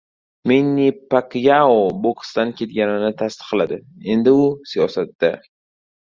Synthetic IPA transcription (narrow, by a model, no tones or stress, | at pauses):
minːipakjaobokst̪ankʲʰe̞t̪̚ɡʲanɪnɪt̪ʰast̪ɨ̥qlad̪ɪe̞nd̪ɪʊsijɒsat̪ːa